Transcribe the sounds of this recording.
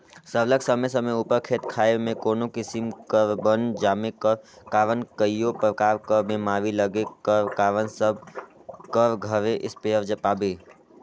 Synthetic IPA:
səɾləksəməejs̬əmeupəɾkʰeːt̪kʰaːemẽkoːnokɪsɪmkəɾbənd͡ʒaːmẽkəɾkaːɾənkəijopɾəkaːɾkəɾmẽmaːʋiləɡekəɾkaːɾənsəb̚ | kəɾɡʱəɾeʔɪspeəɾd͡ʒəpaːbeː

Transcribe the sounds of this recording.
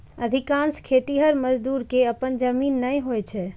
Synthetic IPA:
əd̪ʱikanskʰet̪iɦəɾməd͡ʒd̪uɾkeəpənd͡ʒəminːəjɦojt͡ʃʰɛ

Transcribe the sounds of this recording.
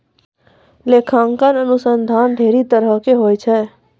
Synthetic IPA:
leːkʰãŋkənənʊsənd̪ʱaːnɖ̪ʱeːɾit̪əɾəkeɦoːjt͡ʃʰɛ

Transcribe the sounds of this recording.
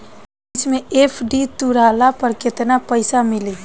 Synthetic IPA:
t͡ʃmẽepʰɖit̪uɾalapəɾkɪt̪napəɪsamɪle

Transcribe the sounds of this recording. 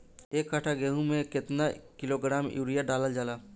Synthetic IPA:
eːkːaʈʰaɡeːɦũmẽkɪt̪nakɪloɡɾaːmjṵːɾijaɖaːləld͡ʒaːlaː

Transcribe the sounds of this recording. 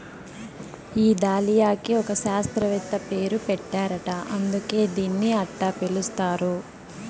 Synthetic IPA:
iːd̪aːlijaːkiɔkɐʃaːst̪ɾɐʋɛt̪ːɐpe̞ːɾupɛʈːaːɾɐʈɐʔɐnd̪uke̞ːd̪iːnːiɐʈːapelust̪aːɾu

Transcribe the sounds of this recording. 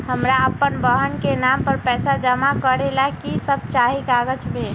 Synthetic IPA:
həmɾaəpːənbəɦənkenampəɾpɛːsad͡ʒəmakəɾelakisəb̚t͡ʃaɦikaɡəd͡ʒbe

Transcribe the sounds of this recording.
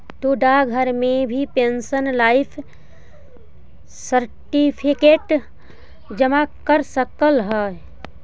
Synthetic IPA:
t̪uɖaɡʱəɾmẽbʱipẽːnsənlaːɪpʰ | səɾʈipʰɪkeːʈ | d͡ʒəmakəɾsəkəlɦɛ

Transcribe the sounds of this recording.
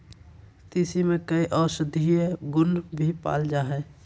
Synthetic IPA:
t̪isimẽkəiʔɔːɾsəd̪ʱieɡʊnbʱipa̰ːld͡ʒaːɦɛː

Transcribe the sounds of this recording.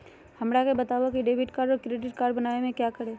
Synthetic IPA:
hɐmɽakebɐt̪aːʋakiɖeːbɪʈkaːɾɔːɾkɾeːɖɪʈkaːɾɖbɐnaːemẽkjaːkəɾeː

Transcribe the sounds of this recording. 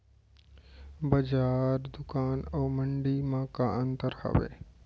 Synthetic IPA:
bəd͡ʒaːɾd̪ʊkaːnoːməɳɖimãkaə̃nt̪əɾhə̰ʋḛː

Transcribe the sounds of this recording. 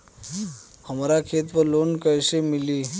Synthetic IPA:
həmɾakʰet̪ʋəlonkəjsemili

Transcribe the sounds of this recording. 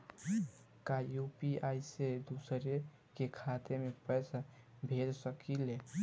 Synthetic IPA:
kajupiajsed̪usɾe | kekʰat̪emepɛjsa | bʱed̪səkile

